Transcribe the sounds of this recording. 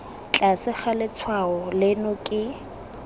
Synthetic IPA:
t͡ɬʼasɪχalɪt͡sʰwaɔlɪnʊkʼɪ

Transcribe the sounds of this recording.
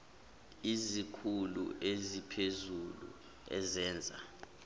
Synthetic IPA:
izikʰulṵʔezipʰezulṵ | ɛ̰zɛːnd͡zʱa̰

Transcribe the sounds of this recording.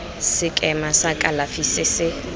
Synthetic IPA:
sɪkʼɛmasakʼalafisɪsɪ

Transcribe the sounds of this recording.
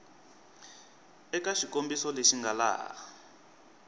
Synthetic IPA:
ɛkaʃikombisɔleʃiŋɡala̰ː

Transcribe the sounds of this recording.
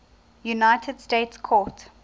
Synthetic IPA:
junaɪtʰədsteːtskʰɔt

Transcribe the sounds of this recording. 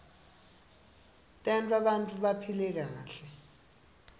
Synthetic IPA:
tʼɛntʰʼaɓantʼuɓapʰilɛk̬aːɬɛ

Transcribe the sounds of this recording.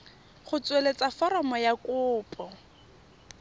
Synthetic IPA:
χʊt͡swelet͡safɔɾɔmɔjakʊːpʼɔ

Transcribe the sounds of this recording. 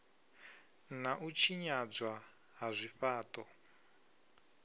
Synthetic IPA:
naʔut͡ʃʰiɲad͡za | ɦazʷiɸaːtɔ

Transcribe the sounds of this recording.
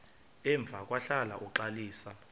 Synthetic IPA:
ɛɱb̪vʱakʼwaɬala̰ʔuǃaliːsa

